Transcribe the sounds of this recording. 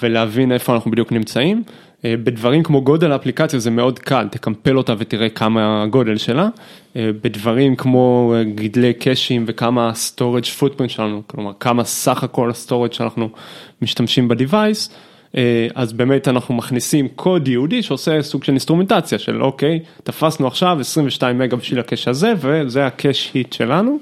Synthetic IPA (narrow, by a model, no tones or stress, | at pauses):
ve̞leavine̞fo̞anaχnubid̪juknimt͡saim | ebe̞dvaʁimkmo̞ɡo̞de̞laːplikat͡sjazeme̞o̞dkʰalt̪e̞kampe̞lo̞tavetiʁe̞kʰamaɡo̞de̞lʃe̞la | ebedvaʁimkmo̞ɡidle̞jkʰeʃimve̞kamasto̞ʁed͡ʒfut̚bintʃelanuklo̞maʁkamasaχako̞lasto̞ʁed͡ʒʃanaχnumiʃtamʃimbedivajs | ʔeazbe̞ːme̞tanaχnumaχnisimkʰo̞djeudiʃeosesuɡ̥ʃe̞linst̪ʁume̞ntat͡sjaʃe̞̰lʔo̞̰ke̞jtafasnuaχʃavesʁiɱveʃtaimːeɡabiʃvilakeʃhaze̞vezeakʰeʃitʃe̞lanu